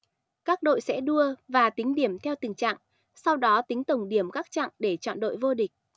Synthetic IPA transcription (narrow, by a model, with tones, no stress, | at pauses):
kaː˦˥k̚ɗo̰˧˨jsɛ̰˧˥ɗu˧əvaː˨˩t̪ï˨˦ŋ̟ɗi˦˧˩əmt̪ʰɛ˧wt̪ï˨˩ŋ̟t͡ɕa̰ː˧˨ŋ | sa˧wɗɔ˨˦t̪ï˨˦ŋ̟t̪ə˨˩wŋ͡mɗi˧˩əmkaː˦˥k̚t͡ɕa̰ː˧˨ŋɗe˧˩t͡ɕɔ̰˧˨nɗo̰˧˨jvo˧ɗï˨˩k̟̚